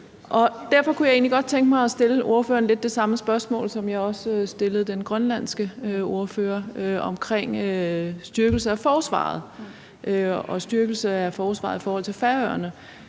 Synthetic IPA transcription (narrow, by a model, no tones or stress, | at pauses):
ʔɒ̽d̥æɐ̰fɒ̽kʰujɑɪe̝̰ːnliɡ̥ɒ̽d̥̚t͡sʰeŋɡ̥əmɑ̈ɪɒ̽sd̥e̝ləʔo̝ɐfø̰ːɐn̩le̝d̥̚ːe̝sɑ̈məsb̥ɶɐsmɔ̰̽ːlsɒ̽mjɑ̈ɪɒ̽ssd̥e̝ləð̩ˠd̥enɡ̥ʁɶnlæn̰sɡ̥əo̝ɐføːɐøɒ̽mkʰʁeŋ̰øsd̥yɐɡ̥l̩səæfɒːsʋɑ̰̈ð̞̩ˠ | ʔøɒ̽sd̥yɐɡ̥l̩səæfɒːsʋɑ̈ːðˠifɒːhɒ̽l̰t͡sʰe̝lfæɐœɐnə